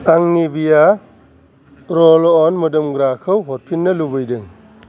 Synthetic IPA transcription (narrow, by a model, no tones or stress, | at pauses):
aŋnibija | ɾɔlɔɔnmɯdɯmɡɾakʰɯwɦɔt̚pʰinːɐlubɯjdɯŋ